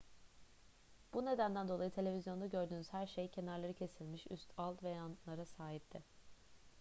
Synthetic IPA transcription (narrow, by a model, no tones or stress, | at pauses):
b̥une̞d̪ænd̪ænd̪o̞lˠajɯt̪ʰe̞lʲe̞vʲizjo̞nd̪aɟø̞ɾd̪yːnyz̥hæɾʃejcʰe̞naɾlˠaɾɯcʰe̞silʲmiʃy̰st̪ʰalˠt̪vɛjanlˠaɾasaːɦit̪ʰːɪ